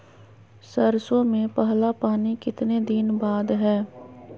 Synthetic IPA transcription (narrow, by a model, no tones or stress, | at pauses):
sɐɾsõmẽpɐɦlapaːnikɪt̪ned̪ɪnbaːd̪ɦɛː